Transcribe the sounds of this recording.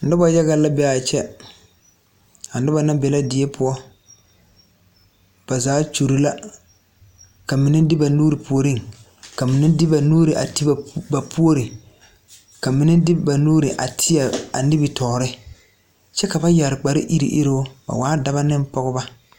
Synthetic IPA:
n̩˨dɪ˦ba˦ja˦ɣa˦la˦bɛ˦a˨t͡ʃɛ˦ | a˨n˨dɪ˦ba˨na˦bɛ˨la˦dɪ˨ɛ˦pʰʊ˦ɔ˦ | b̥a˨zaː˨˦t͡ʃu˨ɾi˦la˦ | ka˨mi˨nɪ˦dɪ˦ba˨nuː˦ɾi˨pu˨o˨ɾi˦˨ŋ | ka˨mɪ˨nɪ˦dɪ˦ba˨nuː˦ɾi˨ʔa̰˨ti˦ba˨ba˨pʰu˦o˦ɾɪ˨ | ka˨mi˨nɪ˦dɪ˦ba˨nuː˦ɾɪ˨ʔa̰˨tʰɪ˦ja˨a̰˨nɪ˦bɪ˨tʰɔː˨ɾɪ˦ | t͡ʃɛ˦ka˨ba˦ja˨ɾk͡pa˨ɾɪ̰˦ʔi˦ɾḭ˨ʔɪ̰˦ɾɪ˦ʊ˦ba̰˨waː˨˦da˨βa˦nɪ˦m˦pɔ˦ɣʊ˦ba˦

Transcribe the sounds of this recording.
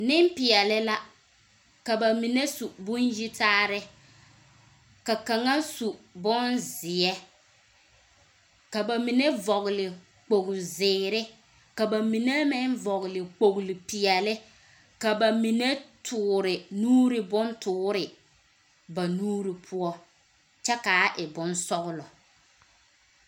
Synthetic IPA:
nɪ˦mpɪ˨ɛ˨lɪ˦la˦ | ka˨ba˨mi˨ne˦su˨bʊ˦nji˦taː˦ɾɪ˦ | ka˨ka˨ŋa˦su˨bʊ˦nzɪ˨ɛ˦ | ka˨ba˨mi˨ne˦vɔ˨ɣlɪ˨ | k͡po˨ɣʊ˨zɪː˨ɾɪ˦ | ka˨ba˨mi˨ne˦mɪ˦nvɔ˨ɣlɪ˨k͡po˨ɣlɪ˨pi˨ɛ˨lɪ˦ | ka˨ba˨mi˨ne˦tʰʊː˨˦ɾɪ˨nuː˦ɾɪ˦bʊ˦ntʊː˦ɾɪ˨ | ba˨nuː˦ɾi˨pʰʊ˦ɔ˦ | t͡ʃɛ˦ka˨˦ʔɪ˨bʊ˦nsɔ˦ɣʊ˦lɔ˨

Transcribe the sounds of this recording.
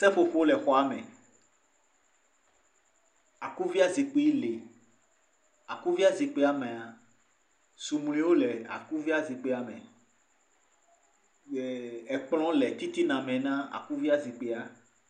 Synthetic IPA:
sɛ˦fo˦fo˦o˦lɛ˨xɔ˦a˦mɛ̰̃˨ | a˨ku˦vi˦a˦zi˨k͡pe˦le˨ | a˨ku˦vi˦a˦zi˨k͡pe˦a˨mɛ̃˨a˨ | su˨mũ˨l̃ĩ˦wo˦lɛ˨a̰˨ku˦vi˦a˦zi˨k͡pe˦a˨mɛ̰̃˨ | ɛ˨k͡pl̃ɔ̃˦lɛ˨t̪i˦t̪i˦nã˨mɛ̃˨nã˦a̰˨ku˦vi˦a˦zi˨k͡pe˦a˨

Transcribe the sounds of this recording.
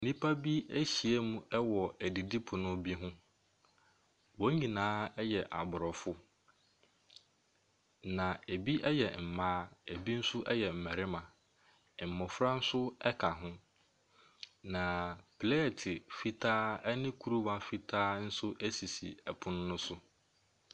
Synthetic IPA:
nĩ˦pʰa˦bi˦æ˦ɕi˨e˦mũ˦ɛ˦wɔ˨æ˨di˨di˦pʰʊ˨nʊ̃˦bi˦ɦʊ̃˦ | wɔ̃˨˦ɲĩ˨nãː˦ɛ˦jɛ˨ʔa̰˨bʊ˨ɾɔ˨fʊ˦ | nã˨e˨bi˦ʔɛ˦jɛ˨m̩˨mãː˦˨bi˦n̩˦sʊ˦ʔɛ˦jɛ˨m̩˨mæ˨ɾɪ˦mã˨ | m̩˨mɔ̃˨fɾa˦n̩˦sʊ˦ɛ˦kʰa˨ɦʊ̃˦ | nã˨pʰle˦˨tʰɪ˨fi˦tʰaː˦ɛ˦nɪ̃˦kʰu˦ɾu˦mã˨fi˦tʰaː˦n̩˦sʊ˦ʔæ˦si˨si˨æ˨pʰʊ̃˦nʊ̃˦nʊ̃˦sʊ˦

